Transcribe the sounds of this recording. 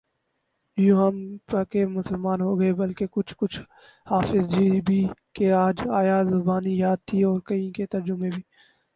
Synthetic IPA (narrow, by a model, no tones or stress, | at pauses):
jũɦəmpəkemʊsəlmaːnɦoːɡɐebɐlkekʊt͡ʃʰkʊt͡ʃʰ | haːfɪzd͡ʒiːbʱiːkeaːd͡ʒaːjazʊbaːnijaːd̪̚t̪ʰiɔːɾkɐĩket̪ɐɾd͡ʒʊmebʱiː